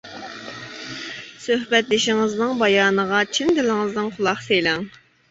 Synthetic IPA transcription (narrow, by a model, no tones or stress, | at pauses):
søhbɛt̪lɪʃɪŋɨznɪŋbɑjɑːnəʁɑt͡ʃʰind̪ɪlɪŋɨznɨŋqʰʊlˠɑχsejlɪŋ